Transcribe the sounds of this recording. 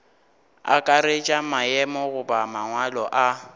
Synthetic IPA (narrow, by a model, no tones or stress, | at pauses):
a̰kʼaɾet͡ʃʼamaɛmɔɣʊbamaŋwalɔʔa